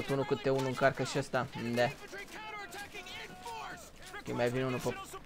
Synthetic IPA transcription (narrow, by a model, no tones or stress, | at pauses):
t̪unukɨt̪ːeunuɨŋkarkəʃiast̪and̪æ | kemajvinunupə